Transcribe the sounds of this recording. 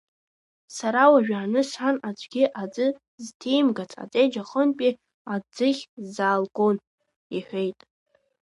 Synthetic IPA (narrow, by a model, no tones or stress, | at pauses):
saɾawaʒᶣaːnɨsħanad͡ʒʷʼɡʲɪʔad͡zɨ | ztʰejmɡat͡sʰʼa̰t͡sʼejd͡ʒaχənpʼi | ad͡zɨχʲzaːlɡʷʼon | iħʷᶣe̞jtʼ